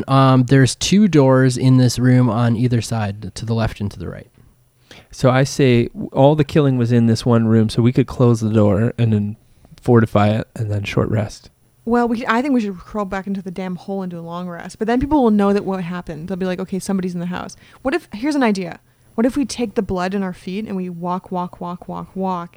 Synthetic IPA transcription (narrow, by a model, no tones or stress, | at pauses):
ðə˞z̥tʰʉdɔɹzɪ̃nðɪsɹʉ̃mə̃niðə˞saɪd̚tʰɨðəlɛftɨ̃n̩tʰɨðɨ̰ɹa̰ɪt̚ | soʊaɪseɪɔlˠðɨkʰɪlˠɪ̃ŋwʌzɨ̃nðɪswʌ̃nɹʉ̃msoʊwikɨd̚kʰl̥oʊzðədɔɹɨ̃nðɨ̃n | fɔɹɾɨfaɪɪɾɨ̃nðɨ̃nʃɔ̰ɹʔɹɛ̰st | wɛlˠwiaɪθɪ̃ŋk̚wiʃɨd̚kʰɹ̥oʊlˠbækɪ̃ntʉðɨdæ̃mhoʊlˠɪ̃ntuəlɔ̃ŋɹɛ̰sb̥ʌt̪̚ðɨ̃npipl̩ˠwəl̩ˠnoʊðɨʔwʔʌɦæpɨ̃nðeɪlˠbilaɪkoʊkʰeɪsʌ̃mbɑɾizn̩ðɨɦa̰ʊswʌɾɨfhiɹz̃n̩aɪdiɨ̰ | wʌɾɨfwitʰeɪk̚ðɨblʌɾɨ̃ñaʊə˞fiɾɨ̰̃nwiwɔkʰwɔkʰwɔkʰwɔ̰kwɔk